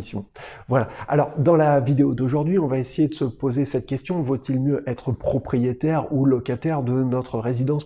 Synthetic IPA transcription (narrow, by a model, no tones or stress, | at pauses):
sjɔ̰̃vwalaa̰lɔʁd̪ɑ̃lavid̪eod̪oʒuʁd̪ɥiɔ̃vaesejed̪əsəpozesɛt̪̚kʲɛst̪jɔ̃vot̪ilmjøʔɛt̪χəpχɔpχijet̪ɛʁulɔkat̪ɛʁd̪ənɔt̪χəʁezid̪ɑ̃s